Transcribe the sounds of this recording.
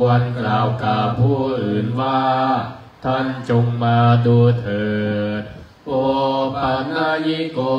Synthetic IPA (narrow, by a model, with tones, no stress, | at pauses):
wa˧nklaː˨˩wkaː˨˩wpʰuː˥˩ʔɯː˨˩nwaː˥˩ | t̪ʰa˥˩nt͡ɕo˧ŋmaː˧duː˧t̪ʰɤː˨˩t̪̚ | ʔoː˧pʰa˧˩naː˧˥˩ji˦˥koː˧